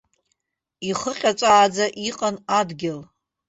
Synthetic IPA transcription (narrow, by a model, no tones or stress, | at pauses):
iχəqʲʼat͡sʷʼaːd͡zaʔiqʼanadɡʲɪl